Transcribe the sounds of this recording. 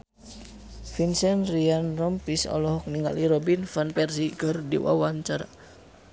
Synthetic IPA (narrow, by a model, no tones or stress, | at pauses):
finsɛnrianrɔmpisɔ̰lɔɦɔk̚niŋɡa̰liɾɔbinfanpɛrsikərdḭwa̰waɲt͡ʃaɾa